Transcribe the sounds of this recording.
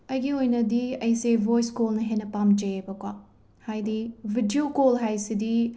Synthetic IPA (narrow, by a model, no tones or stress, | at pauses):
ɐjɡiojnɐdiɐjsebojskolnɐɦenɐpamd͡ʒɐjebɐkwa | hajdibʱidiokolɦajsidi